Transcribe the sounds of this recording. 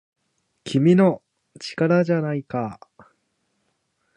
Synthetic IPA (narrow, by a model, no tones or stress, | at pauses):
kʲʰimʲino̞ | t͡ɕi̥kaɾaʑanaika